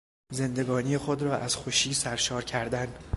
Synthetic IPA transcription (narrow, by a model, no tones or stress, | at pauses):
ze̞nd̪e̞ɡɒːniːjexod̪ɾɒːʔæz̥xoʃiːsæɾʃɒːɾcʰæɾd̪æn